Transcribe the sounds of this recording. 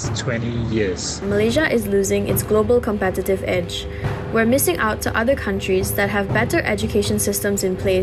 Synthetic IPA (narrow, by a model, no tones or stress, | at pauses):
tʰwɛ̃ntijiəz̥ | məleʒəʔɪzluːzɪ̃ŋɪ̰tsɡ̥lobəlˠkʰɔ̃mpɛtɪtɪvɛd͡ʒ | wɛmɪsɪ̃ŋʔaʊtʰːuʔʌðəkʰãntɹizdɛt̚ɦɛvbɛtəʔɛd͡ʒukʰeʃə̃nsɪstə̃msɪ̃npʰle